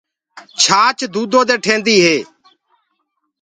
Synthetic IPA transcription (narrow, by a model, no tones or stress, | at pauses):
t͡ʃʰaːt͡ʃd̪uːd̪oːd̪eːʈʰẽːnd̪iːɦeː